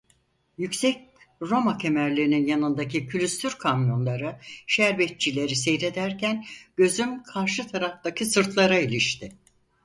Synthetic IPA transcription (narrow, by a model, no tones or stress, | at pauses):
jycsɛc̚ | ɾo̞macʰemæɾlʲiɾininjanɯnd̪acicʰylʲyst̪ʰyɾkʰamjo̞nlˠaɾɯʃæɾbɛt̪̚t͡ʃilʲe̞ɾisejɾe̞d̪æɾcʰænɟ̥ø̞zymkʰaɾʃɯt̪ʰaɾaft̪acʰisɯɾt̪ʰlˠaɾailʲiʃt̪ʰɪ